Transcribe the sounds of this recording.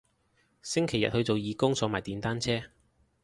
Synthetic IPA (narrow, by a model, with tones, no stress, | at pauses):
sɪ˥ŋkʰe˨˩jːɐ˨t̚hɵ˨˧ɥt͡so˨wjiː˨˧kʊ˥ŋsɔː˨˧maː˨˩jt̪iː˨nt̪aː˥nt͡sʰɛː˥